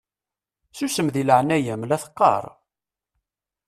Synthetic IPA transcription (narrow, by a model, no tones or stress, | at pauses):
susəmðiləʕnæjæmlæθə̥qːɑ̰ɾˤ